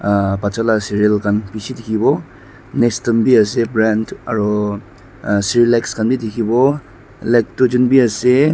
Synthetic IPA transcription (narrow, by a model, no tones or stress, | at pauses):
pat͡ʃalasiɾielkanpisidikʰibɔ | nestɐmbiɐsebɾanta̰ɾɔ | siɾilajkskanbidikʰibɔ | lejk̚tud͡ʒunbiase